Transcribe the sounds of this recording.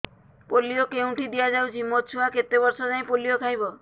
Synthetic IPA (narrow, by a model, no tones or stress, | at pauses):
polijokeũʈid̪ijad͡ʒawt͡ʃʰimot̪t͡ʃʰuaket̪ebɔɾsɔd͡ʒaĩpoliokʰajbɔ